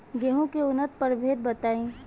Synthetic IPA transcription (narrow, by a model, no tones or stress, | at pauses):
ɡeɦõkeʊnət̪̚pɐɾbʱeːd̪̚bɐt̪aːĩː